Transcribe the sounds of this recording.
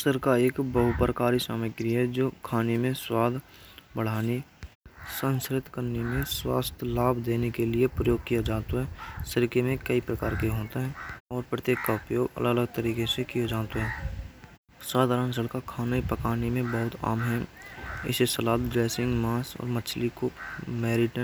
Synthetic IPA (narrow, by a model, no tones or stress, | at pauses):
səɾkaeːkbəɦʊpɾəkaːɾisaːməɡɾiɦɛd͡ʒoːkʰaːnemẽswaːd̪ʱ | bəɽ̤aːni | sə̃nskɾɪt̪kəɾnemẽswa̰ːst̪ʰlaːbʱd̪eːnekelɪepɾəjoːɡ̚kijad͡ʒaːt̪oɦɛːsəɾkemẽkəipɾəkaːɾkeɦoːt̪aɦɛɔːɾpɾət̪jeːkkaʊpjoːɡə̰ləɡələɡt̪əɾiːkesekijad͡ʒaːt̪oɦɛː | swaːd̪ʱaːɾənsəɽkakʰaːnaipəkaːnemẽbəɦʊt̪a̰ːmɦɛɪ̰sesəlaːt̪̚ɖɾeːsɪ̃ŋɡmaːsɔ̰ːɾmət͡ʃʰlikomɛːɾɪʈə